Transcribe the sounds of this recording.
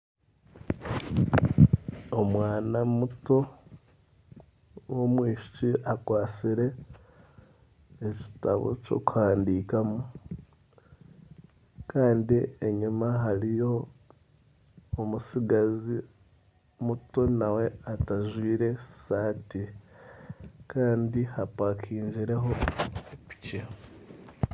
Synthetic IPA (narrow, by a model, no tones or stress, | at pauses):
omwaːnamuto̞ | womwiːʃi̥ciʔakwaːt͡siɾe̞ | eci̥ta̰βo̞̰co̞̰ːkuhaːndikamu | kaːndieɲumaɦaɾijo̞ | omusiɡazi | muto̞nawe̞ataʒwiːɾe̞saːti | kaːndihapakʰiːɲɟiɾe̞ɦo̞pi̥ce